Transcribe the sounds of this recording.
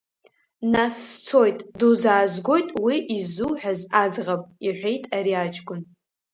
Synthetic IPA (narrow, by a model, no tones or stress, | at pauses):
nasːt͡sʰo̞jtʼduzaːzɡʷo̞jtʼwiʔizuħᶣazad͡zʁapʼiħʷejtʼaɾiad͡ʒɡʷʼʊn